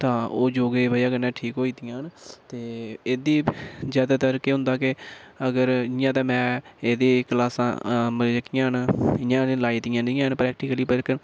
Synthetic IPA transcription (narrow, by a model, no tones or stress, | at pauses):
t̪ãːoːd͡ʒoːɡeːbaːiaɡəɾnɛ̃ːʈʰiːkɦoːiːd̪ijãːɦənt̪eːeːd̪iːzjaːd̪aːt̪əɾkeːɦʊ̃nd̪aːkɪəɡəɾɪjãːt̪̬ãːmɛ̃ːeːd̪eːkəlaːsã̰ːməlːəkːɪjãːɦənɪjãːnlaːiːt̪ijãːdɪ̃jãːɦənpɾɛːk̚ʈɪːkəliːpəɾkən